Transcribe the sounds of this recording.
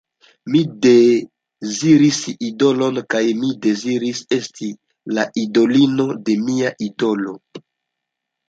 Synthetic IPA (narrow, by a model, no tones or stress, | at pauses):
mide | ziɾisido̞lo̞nkajmide̞ziɾise̞stʰi | laʔido̞lino̞de̞miaʔido̞lo̞